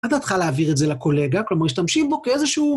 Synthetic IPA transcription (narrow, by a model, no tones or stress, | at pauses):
atat̪χaleaːviʁetzelako̞le̞ɡaklo̞maʁjiʃt̪amʃimbo̞keezeʃuː